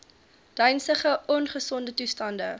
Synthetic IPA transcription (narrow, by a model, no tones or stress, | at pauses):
d̥œɥnsəχəʔɔnχəsɔndətustɐndə